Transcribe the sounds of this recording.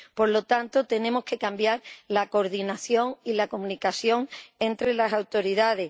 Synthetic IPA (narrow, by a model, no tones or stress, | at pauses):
po̞ɾlo̞t̪ant̪o̞t̪e̞nẽ̞mo̞ske̞kambjaɾlako̞ɾðinaθjo̞ŋilako̞mũnikaθjo̞ŋe̞nt̪ɾe̞lasawt̪o̞ɾiðaðe̞